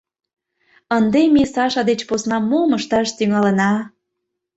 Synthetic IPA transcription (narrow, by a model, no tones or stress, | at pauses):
ənd̪emesɑʃɑd̪et͡ɕposnɑmoməʃt̪ɑʃt̪yŋɑlə̆nɑ